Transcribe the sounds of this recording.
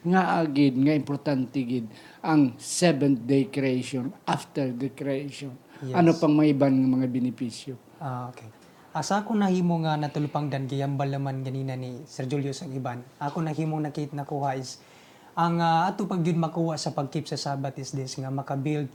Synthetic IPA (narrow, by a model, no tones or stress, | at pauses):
ŋaʔaɡɪd̪̚ŋɐʔɪmpoɾt̪ant̪ɪɡɪd̪̚ | ʔɐŋsɛbɛnd̪ejkɾɛejʃonʔaft̪ɛɹd̪ɐkɾɛejʃonjɐnopɐŋmɐʔɪbanŋɐmɐŋabɪnɪpisjo | aokej | ʔasaʔakonɐhiːmoŋanɐt̪ʊlʊpaŋd̪anɡɪjambalnɐmanɡɐniːnanisɛɾd͡ʒuljosɐŋɪbanʔakonɐhiːmoŋnɐkiɪt̪̚nɐkuːhaʔɪs | ʔaŋaʔat̪opaɡɪd̪̚mɐkuːhaʔsɐpɐɡ̚kip̚sɐsaːbat̪ɪsd̪ɛsŋamɐkabild̪̚